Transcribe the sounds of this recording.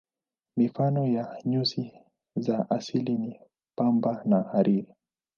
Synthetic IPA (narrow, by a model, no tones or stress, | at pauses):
mifanɔjaɲusi | zaʔasilini | pambanahaɾiɾi